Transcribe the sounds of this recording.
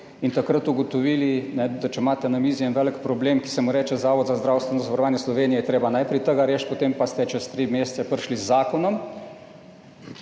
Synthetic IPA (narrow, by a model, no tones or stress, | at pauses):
int̪akɾət̪uɡot̪oʋilinɛd̪at͡ʃɛmaːt̪ɛnamiːzijɛnʋɛːləkpɾɔbleːmki̥sɛmuɾɛːt͡ʃɛzaːʋɔd̪zazd̪ɾaːwst̪ʋɛnɔzʋaɾɔʋaːnjɛslɔʋeːnijɛjɛt̪ɾeːbanajpɾit̪əɡaɾeːʃt̪̚pot̪eːmpast̪ɛt͡ʃɛst̪ɾiːmeːst̪sɛpəɾʃlizːaːkɔnɔm